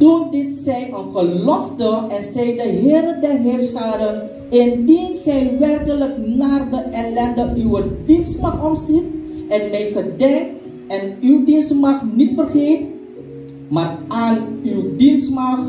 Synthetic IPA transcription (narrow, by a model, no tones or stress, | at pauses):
tundɪtsɛjənχəlɔfdəɛnsɛjdəɦeːɾədɛrɦɪːrstaːɾən | ɪndinχɛjʋɛrkələknaːrdəʔɛlɛndəʔywədinstmaχɔmsit̚ʔɛnmɛjχədɛŋk | ɛnywdinstmɑχnitfərχeːt | maːraːnywdinsmax